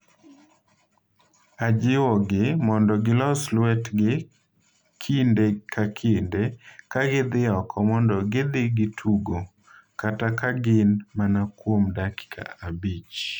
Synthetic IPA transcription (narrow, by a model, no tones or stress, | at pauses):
ad͡ʒɪwɔɡɪmɔndɔɡɪlɔslwɛtɡɪ | kʰindekʰakʰindekaɡɪd̪ɪɔkʰɔmɔndɔɡɪd̪ɪɡɪtʰuɡo | katakaɡɪnmanakwomdakɪ̥kʰa̰abit͡ʃ